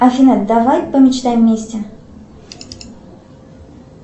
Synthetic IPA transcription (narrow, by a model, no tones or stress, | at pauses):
ɐfʲɪnɛt̪̚d̪ɐvajpəmʲɪt͡ɕt̪ajmʲːesʲtʲɪ